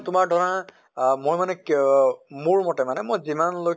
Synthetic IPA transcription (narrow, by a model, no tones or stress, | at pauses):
tʊmaɹdʱɔɹa | mojmanɛk | muɹmɔtɛmanɛmojzimanlo